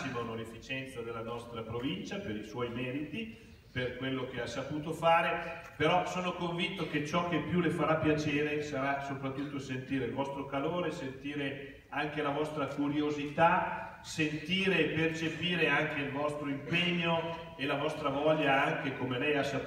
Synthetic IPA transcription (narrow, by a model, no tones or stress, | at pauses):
imonolefːit͡ʃɛnt̪sad̪elːanɔst̪ɾapɾovint͡ʃapeɾiswɔjmɛːɾit̪i | perkwelːok̟easapuːt̪ofaːɾepeɾɔsoːnokoɱvint̪oket͡ʃɔkːepːjulefaɾapːjat͡ʃeːɾesaɾasopɾat̪ːut̪ːosent̪iːɾeilvɔst̪ɾokaloːɾesent̪iːɾe | aŋk̟elavɔst̪ɾakuɾjozit̪a | sent̪iːɾeːpert͡ʃepiːɾeaŋk̟eilvɔst̪ɾoimpeɲːo | elavɔst̪ɾavɔʎːaaŋk̟ekomelɛjasːa